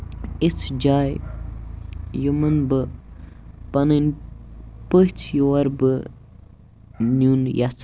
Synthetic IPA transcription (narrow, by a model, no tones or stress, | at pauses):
it͡sʰd͡ʒaːj | jumənbɨ | pɐnənʲ | pəht͡sʰjowɐɾbɨ | nunjat͡sʰ